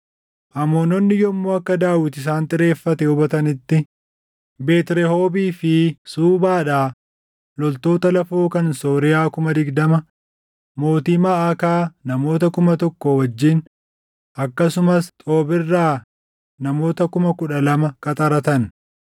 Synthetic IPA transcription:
ʔɐmoːnɔnːɪjɔmːoːɐkːɐd̪aːwɪt̪ɪs̬aːnt̪ʼɪɾe̞ːfːɐt̪ɛʊbɐt̪ɐnɪt̪ːɪ | be̞ːt̪ɪɾɛho̞ːbiːfɪsuːbaːᶑaː | lɔlt̪o̞ːt̪ɐlɐfoːkɐnso̞ːɾɪjaːkʊmɐd̪ɪɡd̪ɐmɐ | mo̞ːt̪iːmaːɐkaːnɐmo̞ːt̪ɐkʊmɐt̪ɔkːɔwɐd͡ʒːiːn | ʔɐkːɐsʊmɐst̪ʼo̞ːbɪrːaː | nɐmo̞ːt̪ɐkʊmɐkʊᶑɐlɐmɐkʼɐt̪ʼɐɾɐt̪ɐn

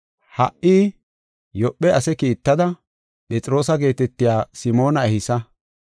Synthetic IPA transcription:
hɐʔʔiː | jɔpːɛʔɐsɛkiːt̪ːɐd̪ɐ | pɛt͡sʼɾo̞ːsɐɡe̞ːt̪ɛt̪ːɪjaːsɪmo̞ːnɐɛhɪsɐ

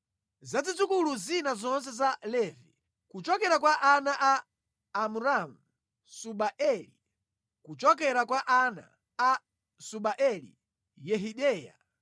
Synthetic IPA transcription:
zad͡zid͡zukuluzinazɔns̬ɛzalɛːvi | kut͡ʃɔkɛɾakwaʔanaʔaː | muɾamu | suɓaʔɛli | kut͡ʃɔk̬ɛɾakwaʔana̰ | a | suɓaʔɛlḭ | jɛɦiɗɛːja̰

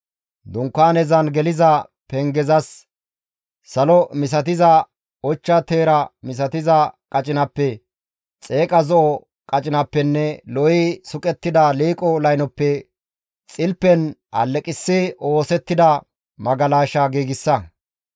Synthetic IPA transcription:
d̪ʊŋkːaːnɛzɐnɡɛlɪzɐ | pɛŋɡɛzɐs | ɐlɔmɪs̬ɐt̪̬ɪzɐ | ɔt͡ʃːɐt̪e̞ːɾɐmɪs̬ɐt̪ɪzɐkʼɐt͡ʃʼɪnɐpːɛ | t͡sʼe̞ːkʼɐzɔʔɔ | kʼɐt͡ʃʼɪnɐpːɛnːɛlɔɪsʊkʼɛt̪ːɪd̪ɐliːkʼɔlɐjnɔpːɛ | t͡sʼɪlpːɛnɐ̰lːɛkʼɪsːɪo̞ːsɛt̪ːɪd̪ɐ | mɐɡɐlaːʃɐɡiːɡɪsːɐ

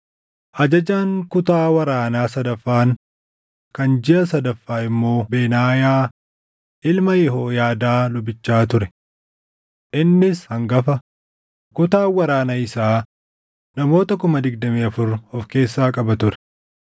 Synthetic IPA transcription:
ʔɐd͡ʒɐd͡ʒaːŋkʊt̪aːwɐɾaːnaːsɐd̪ɐfːaːn | kɐnd͡ʒɪʔɐsɐd̪ɐfːaːɪmːo̞ːbeːnaːjaː | ʔɪlmɐjɛɦoːjaːd̪aːlʊbɪt͡ʃːaːt̪ʊɾɛ | ʔɪnːɪshɐŋɡɐfɐ | kʊt̪aːwɐɾaːnaɪsaː | nɐmo̞ːt̪ɐkʊmɐd̪ɪɡ̚d̪ɐmiːɐfʊɾɔfke̞ːsːaːkʼɐbɐt̪ʊɾɛ̥

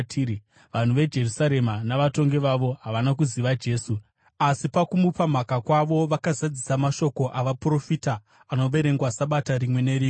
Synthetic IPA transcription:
ʋan̤uʋe̞d͡ʒe̞rusaɾe̞manaʋato̞ŋɡe̞ʋaʋo̞ɦaʋanak̬uziʋad͡ʒe̞ːsu | asipakumupam̤akakwaʋo̞ʋakazad͡zisamaʃo̞ko̞ʔaʋapuro̞fitaː | no̞ʋe̞ɾe̞ŋɡwasaɓataɾimwe̞ne̞ɾiːe

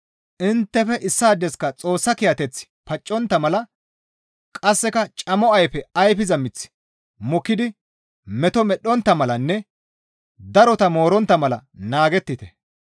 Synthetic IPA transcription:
ʔɪnt̪ːɛfɛʔɪsːaːd̪ːɛskɐt͡sʼo̞ːsːɐkɪjɐt̪ɛt͡sːɪ̥pɐt͡ʃʼːɔnt̪ːɐmɐlɐ | kʼɐsːɛkɐt͡ʃʼɐmɔɐjfɛɐjfɪzɐmɪt͡sːɪ̥ | mɔkːɪd̪ɪ | mɛt̪ɔmɛɗːɔnt̪ːɐmɐlɐnːɛ | d̪ɐɾɔt̪ɐmo̞ːɾɔnt̪ːɐmɐlɐ̰naːɡɛt̪ːɪt̪ɛ

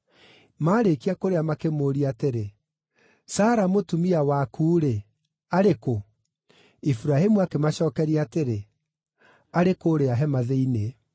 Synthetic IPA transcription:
maːɾekiakoɾeamakemoɾiateɾe | saːɾamotumiawakuːɾe | aɾeko | ifuɾahimuakemaɕɔːkɛɾiateɾe | aɾekoːɾeaɦɛmaðeine

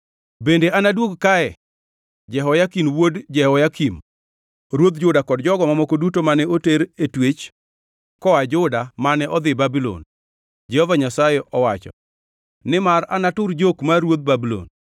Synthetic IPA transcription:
bendeʔanadwoɡkaɛ | d͡ʒɛɦɔjakinwodd͡ʒɛhɔjakim | ɾwod̪̚d͡ʒʊdakɔdd͡ʒɔɡɔmamɔkodutomanɛoteɾetwet͡ʃ | kɔad͡ʒʊdamanɛʔɔd̪ɪbabilo̰n | d͡ʒɛhɔvaɲasajeʔɔwat͡ʃɔ̰ | nɪmaranatʊrd͡ʒokmaɾwod̪̚babilo̰n

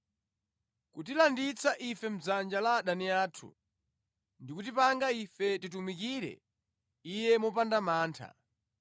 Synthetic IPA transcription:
kutilandit͡sʰaʔifɛm̩d͡zand͡ʒalaɗaniaːtʰṵ | ndikut̬ipaŋɡaifɛtitumikiɾɛ̰ | ijɛmɔpandamaːntʰa̰

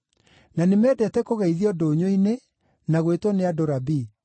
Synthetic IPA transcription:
nanemɛːdɛtɛkoɣaiðiɔdoːɲoine | naɣwetwɔneadoɾabi

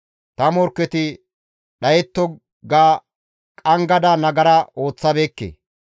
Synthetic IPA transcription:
t̪ɐmɔɾkːɛt̪ɪ | ɗɐjɛt̪ːɔ | ɡaː | kʼɐŋɡɐd̪ɐnɐɡɐɾɐo̞ːt͡sːɐbeːkːḛː

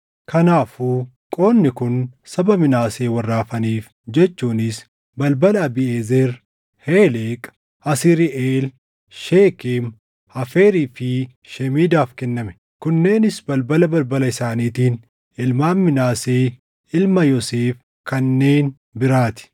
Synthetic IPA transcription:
kʰɐnaːfuː | kʼo̞ːnːɪkʊnsɐbɐmɪnaːseːwɐrːaːfɐniːf | d͡ʒɛt͡ʃːuːnɪs | bɐlbɐlɐɐbɪeːzɛɾ | heːleːkʼ | ɐsɪɾɪʔeːl | ʃeːkem | hɐfeːɾiːfɪ | ʃɛmiːd̪aːfkɛnːɐmɛ̥ | kʊnːe̞ːnɪsbɐlbɐlɐbɐlbɐlɐɪsaːniːt̪iːn | ɪlmaːnmɪnaːseː | ɪlmɐjɔseːf | kɐnːe̞ːn | bɪɾaːt̪ɪ̥

